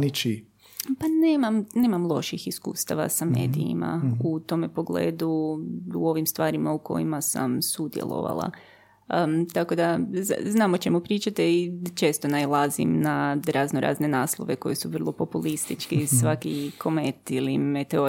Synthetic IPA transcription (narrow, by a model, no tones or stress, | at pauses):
nit͡ʃi | paneːmamne̞ːmamlˠo̞̰ʃixiskṵːst̪aʋa̰same̞̰ːd̪iima̰ut̪o̞mepo̞ɡle̞ːd̪uuo̞ʋimst̪ʋaːɾimauko̞̰jimasa̰msud̪jḛlˠo̞̰ʋa̰lˠa̰ | t̪ako̞d̪azaznaːmot͡ʃe̞mupɾiːt͡ʃat̪eit͡ʃe̞ːst̪o̞najlˠazḭmnaɾaznoɾʔa̰zne̞naːslˠo̰ʋeko̞̰jesuʋr̩lˠopo̞pulist̪it͡ʃkisʋakikʰo̞met̪ilimet̪eo